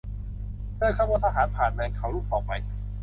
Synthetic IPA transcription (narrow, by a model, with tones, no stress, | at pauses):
pʰɯː˥˩kʰa˥˩wa˦˥˩t̪ʰa˧ɦaː˩˦npʰaː˨˩nma˧ŋkʰa˨˦wluː˦˥˩k̚ɔː˨˩k̚ma˧j